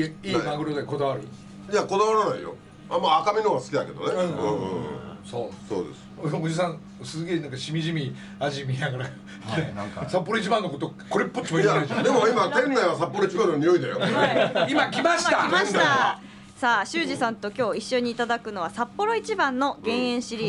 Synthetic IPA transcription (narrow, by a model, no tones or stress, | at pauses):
iːmãɡɯɾozako̞d̪aβaɾɯ̟ | d͡ʑako̞d̪aβaɾanaijo̰ | amaːkamʲinoːβasɨ̥kʲid̪a̰ke̞d̪o̞̰nẽɯ̰̃ | soːso̰ːd̪ḛsɨ̥od͡ʑis̬ã | sɨɡe̞ːnãŋkaɕimʲiʑimʲi | aʑimʲinaɡaɾa | esapːo̞ɾo̞it͡ɕibãnːokot̪okoɾepːot͡ɕimoijaaãd̪e̞moimat̪ẽ̞nːaiβasapːo̞ɾoit͡ɕibãnoɲio̞id̪ajo̰imakʲimaɕi̥t̪aḁt̪a | saːɕɨːʑisãnt̪o̞kʲo̞ːiɕːo̞ɲ̟iːt̪ad̪akɯ̟no̞β̞asapːo̞ɾo̞it͡ɕibãnːo̞ɡẽ̞ɰ̃ẽ̞ɰ̃ɕiɾʲiː